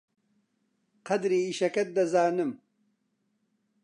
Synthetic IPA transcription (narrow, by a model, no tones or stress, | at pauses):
qɐd̪ɾiːɕɐkɐt̪̚d̪ɐzaːnɨm